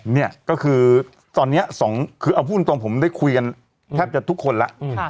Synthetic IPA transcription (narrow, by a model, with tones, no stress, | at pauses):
ni˥˩ɐkɔː˥˩kʰɯː˧ | t̪ɔː˧nːi˦˥ɐsɔː˩˦ŋkʰɯː˧ʔa˧wpʰuː˥˩˨nt̪oː˧ŋpʰo˩˦mda˥˩jkʰu˧jka˧n | t̪ʰɛː˥˩p̚t͡ɕa˨˩t̪ʰu˦˥kʰːo˧nla˦˥ʔʰ